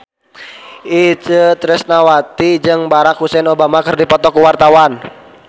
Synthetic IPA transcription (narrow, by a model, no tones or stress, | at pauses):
ʔit͡ʃət̪ɾɛsnawat̪id͡ʒɨŋbaɾakhusɛnobamakɨrdipɔt̪ɔkuwart̪awan